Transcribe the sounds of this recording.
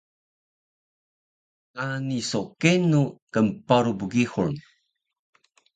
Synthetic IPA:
kanisokenukəmpaɾubuɡixuɾn

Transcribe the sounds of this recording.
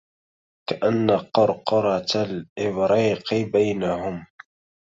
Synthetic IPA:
kaʔanːaqʊɾqɑɾˤɑlʔɪbɾiːqɨbajnahʊm

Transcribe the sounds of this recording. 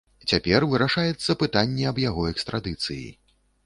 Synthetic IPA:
t͡sʲapʲɛrvɨɾaʂajɛt̪sːɐpɨt̪anʲːɛɐbjaɣɔɛkst̪ɾʔad̪ɨt̪sɨjḭ

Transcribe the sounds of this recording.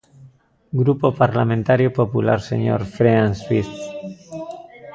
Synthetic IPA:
ɡɾupopaɾlamẽnt̪aɾjopopulaɾsḛɲo̰ɾfɾeanswi

